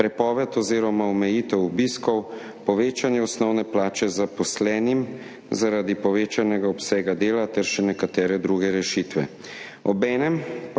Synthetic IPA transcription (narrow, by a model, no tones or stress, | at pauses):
pɾɛpɔːʋɛt̪ɔziːɾɔmaɔmɛjiːt̪ɛwubiːskɔw | pɔʋeːt͡ʃanjɛɔsnɔwnɛplaːt͡ʃɛzapɔslɛːnim | zaɾad̪ipɔʋeːt͡ʃanɛɡaɔpsɛːɡad̪eːlat̪ɛɾʃɛnɛkat̪ɛːɾɛd̪ɾuɡɛɾɛʃiːt̪ʋɛ̰ | ɔbɛːnɛm